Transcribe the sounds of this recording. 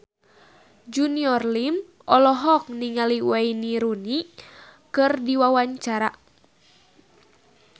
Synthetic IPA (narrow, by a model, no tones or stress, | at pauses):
d͡ʒuniɔrlim | ʔɔlɔɦɔk̚niŋaliwainiɾuni | kɨrdiwawaɲt͡ʃaɾa